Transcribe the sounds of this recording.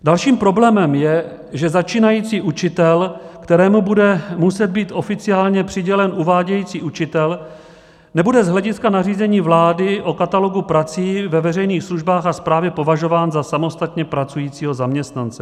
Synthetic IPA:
dalʃiːmpɾo̞blɛːmɛmjɛ | ʒɛzat͡ʃiːnajiːt͡siːʔut͡ʃɪt̪ɛlkt̪ɛɾɛːmubudɛmusɛd̪̚biːt̪ʔo̞fɪt͡sɪaːlɲɛpr̥ɪɟɛlɛnʔuvaːɟɛjiːt͡siːʔut͡ʃɪt̪ɛl | nɛbudɛzɦlɛɟɪskanariːzɛɲiːvlaːdɪʔo̞kat̪alo̞ɡupɾat͡siːvɛvɛrɛjniːxsluʒbaːxaspɾaːvjɛpo̞vaʒo̞vaːnzasamo̞st̪at̪ɲɛpɾat͡sujiːt͡siːɦo̞zamɲɛst̪nant͡sɛ

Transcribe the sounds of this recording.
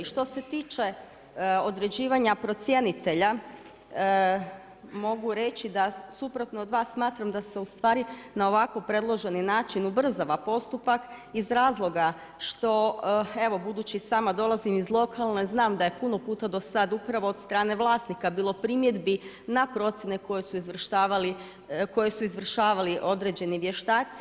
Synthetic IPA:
ʃt̪o̞se̞t̪iːt͡ʃe̞ | o̞d̪ɾe̞d͡ʑiːʋaɲapɾo̞t̪sje̞nit̪e̞ʎa | mo̞ɡuɾe̞t͡ʃid̪asupɾot̪noːd̪ʋaːsːmaːt̪ɾamd̪ase̞ust̪ʋaːɾi | nao̞ʋako̞pɾe̞d̪lˠo̞ʒe̞ninaːt͡ʃinubr̩zaʋapo̞st̪upakizɾaːzlˠo̞ɡa | ʃt̪o̞e̞ʋo̞bud̪uːt͡ɕisaːmad̪o̞lˠazimizlˠo̞kʰalˠneznaːmd̪aje̞puno̞puːt̪ad̪o̞sad̪upɾaʋo̞ːd̪st̪ɾaːne̞ʋlˠaːsnikabiːlˠo̞pɾimje̞d̪bi | napɾo̞t̪sjene̞ko̞jesuizʋr̩ʃt̪aːʋali | ko̞je̞suizʋr̩ʃaːʋaliʔo̞d̪ɾe̞d͡ʒe̞niʋje̞ʃt̪aːt̪si

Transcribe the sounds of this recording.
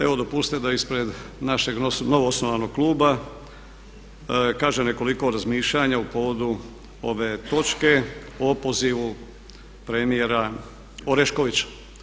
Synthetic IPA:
e̞ʋo̞d̪o̞pust̪ed̪aispɾe̞d̪naʃe̞ɡono̞ʋoosnoʋano̞ɡ̚klˠuːba | kaːʒene̞ko̞liko̞ɾazmiːʃʎaɲaupo̞ːʋo̞d̪u | o̞ʋe̞ːt̪o̞t͡ʃke̞ | o̞po̞ziʋu | pɾemije̞ɾa | oɾeʃko̞ʋit͡ɕḁ

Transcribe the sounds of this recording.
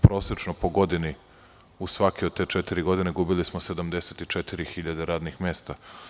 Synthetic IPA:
pɾo̞ːsɾet͡ʃnopo̞ɡo̞d̪ini | usʋakeod̪̚t̪e̞ːt͡ʃet̪iɾiɡo̞d̪ineɡubilismosed̪amd̪e̞set̪it͡ʃet̪iɾixiʎad̪eɾaːd̪nixmeːst̪a

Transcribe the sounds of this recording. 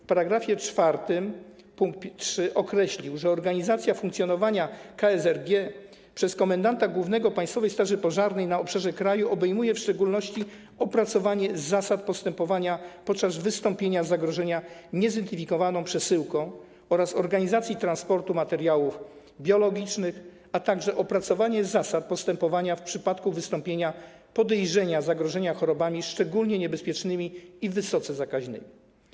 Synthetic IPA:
fpaɾaɡɾafʲjɛt͡ʂfaɾt̪ɘm | puŋk̚t̪̚p̪ʲtʂɘʔɔkɾɛɕlʲiwʐɛɔɾɡaɲizat̪sʲjafuŋkt̪sʲjɔn̪ɔvaɲakaɛzɛɾɡʲjɛ | pʂɛskɔmɛnd̪ant̪aɡwuvnɛɡɔpajst̪fɔvɛjst̪aʐɘpɔʐaɾnɛjnaɔpʂaʐɛkɾajuʔɔbɛjmujɛfʂt͡ʂɛɡulnɔɕt͡ɕi | ɔpɾat̪sɔvaɲɛzasat̪̚pɔst̪ɛmpɔvaɲapɔt̪̚t͡ʂazvɘst̪ɔmpʲjeɲazaɡɾɔʐɛɲaɲɛzd̪ɛnt̪ɘfʲikɔvanɔ̃w̃pʂɛsɘwkɔ̃w̃ | ɔɾasɔɾɡaɲizat̪sʲjit̪ɾanspɔɾt̪umat̪ɛɾjawuf | bʲjɔlɔɡʲit͡ʂnɘx | at̪aɡʐɛʔɔpɾat̪sɔvaɲɛzasat̪̚pɔst̪ɛmpɔvaɲafpʂɘpat̪kuvɘst̪ɔ̃mpʲjeɲa | pɔd̪ɛjʐɛɲazaɡɾɔʐɛɲaxɔɾɔbamʲiʂt͡ʂɛɡulɲɛɲɛbɛspʲjɛt͡ʂnɘmʲiivɘsɔt̪sɛzakaʑnɘ̰mʲi

